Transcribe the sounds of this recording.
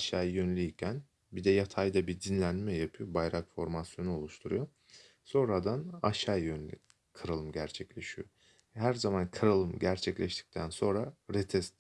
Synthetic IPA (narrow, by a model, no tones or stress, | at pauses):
aʃajjønlʲijicʰæn | bid̪ɛjat̪ʰajd̪abid̪inlʲænmɛjapʰɯjobajɾakfo̞ɾmasjo̞nuolˠuʃt̪ʰuɾujo̞ | so̞nɾad̪anaʃajønlʲḭ | kʰɯɾalˠɯmɟæɾt͡ʃʰɛclʲeʃijo̰ | hæɾzamankʰɯɾalˠɯmɟæɾt͡ʃʰɛclʲɛʃt̪ʰi̥c̚t̪ʰænso̞nɾaɾet̪ʰɛst̪